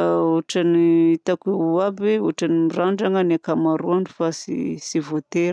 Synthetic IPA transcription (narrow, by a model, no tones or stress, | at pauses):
oʈ͡ʂaniit̪akeabeoʈ͡ʂanimiraɳɖ͡ʐaŋanakamaɾuaɳɖ͡ʐufasḭsivot̪eɾ